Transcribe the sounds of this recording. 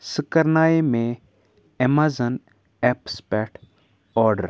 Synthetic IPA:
səkəɾnaːemẽ | emazən | ɛpspɛʈ | ɔːɾɖəɾ

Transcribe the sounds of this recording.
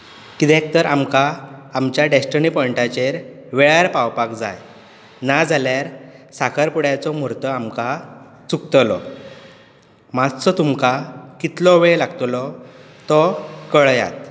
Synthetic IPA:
kid̪ɛ̃k̚t̪əɾamkaːmt͡ɕjaɖesʈənipɔɳʈat͡ɕeɾʋeɭaɾpawpakd͡za̰j | nad͡zʱaljaɾsakʰaɾpuɽjat͡sɔmuɾt̪ɔamka | t͡sukt̪lɔ̰ | mad͡zt͡sɔt̪umkakit̪lɔʋelaɡt̪lɔ | t̪ɔkəɭja̰t̪

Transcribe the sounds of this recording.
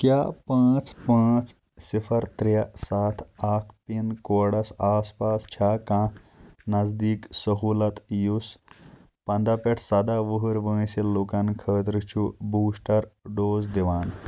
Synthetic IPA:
kjaːpãːt͡spãːt͡s | sifʰɐɾt̪ɾjɐsaːt̪ʰaːkʰpinkoːɽɐsaːspaːst͡ʃʰaːkãːnɐzd̪iːksəɦuːlɐt̪jus | pɐnd̪apeʈʰsɐd̪aːʋəɦɨɾʋə̃ːsilːoːkankʰəːt̪ɾɨt͡ʃʰubuːsʈɐɾɖoːzd̪iʋaːn

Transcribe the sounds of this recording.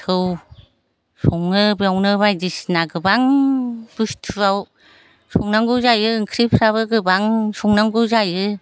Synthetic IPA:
kʰɯw | sɔŋnɯbjawnɯβajdisnaɡɯbaŋb̥ɯstʰɯaw | sɔŋnaŋɡɯwzajɯɯŋkʰɾipʰɾaβɯɡɯbaŋsɔŋnaŋɡɯzajɯ

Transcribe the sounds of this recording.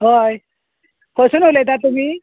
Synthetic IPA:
ɦoj | kʰosunɦolet̪at̪umi

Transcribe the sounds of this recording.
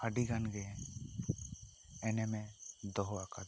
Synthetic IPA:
aɖikanɡɛ | ɛnɛmɛd̪ɔɦɔakad̪

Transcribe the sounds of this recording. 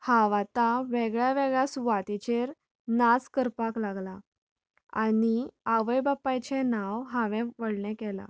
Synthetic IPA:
haʋat̪aʋeɡɭjaʋeɡɭjasʋat̪it͡ɕeɾ | naskəɾpaklaɡla | a̰niaʋəjbapːajt͡ɕɛ̃nawɦãʋɛ̃ʋəɽɳɛ̃kɛla̰

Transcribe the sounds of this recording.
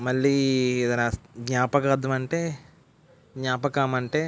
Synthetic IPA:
mɐɭːiːɛd̪ɐnɐɡɲaːpɐkɐɐd̪ɐmɐɳʈeː | ɡɲaːpɐkaːmɐɳʈe̞ː

